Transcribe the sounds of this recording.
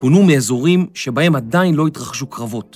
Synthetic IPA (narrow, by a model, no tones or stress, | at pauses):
ponumeːzo̞ʁimʃe̞bahe̞madainlo̞itʁaχʃukʁavo̞t